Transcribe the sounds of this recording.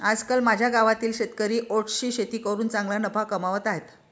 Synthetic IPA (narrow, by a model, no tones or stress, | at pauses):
ad͡zkəlmad͡ʑʱjaɡaʋat̪iːlɕet̪kəɾiːʔoʈʰɕiːɕet̪iːkəɾuːnt͡sãŋɡlanəpʰakəmaʋət̪aɦet̪